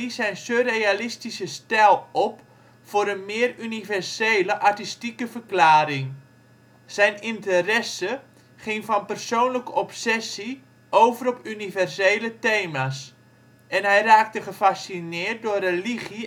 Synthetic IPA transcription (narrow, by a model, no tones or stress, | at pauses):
isɛjnsørejalɪstisəstɛlˠɔp | fʊːɾənmɪːərynivɛrsejləʔatistikəvərklaːɾɪŋ | sɛjnɪntərɛsə | χɪŋfɑnpərsoːnləkəɔpsɛsi | ʔowvəɾɔpynivɛrsejlətejmas | ɛnɦɛjraːk̚təχəfasinɪːt̚dʊːreliχi